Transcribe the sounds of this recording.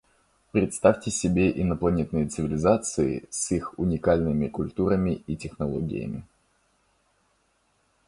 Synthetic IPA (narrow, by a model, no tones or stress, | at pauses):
pɾʲɪt̪st̪afʲtʲɪsʲɪbʲeʔɪnəplˠɐnʲet̪nɨjət̪sɨvʲɪlʲɪzat̪sɨɪ̰sixʊnʲɪkalʲnɨmʲɪkʊlʲt̪uɾəmʲɪitʲɪxnɐlˠo̰ɡʲɪ̰jə̰mʲɪ̰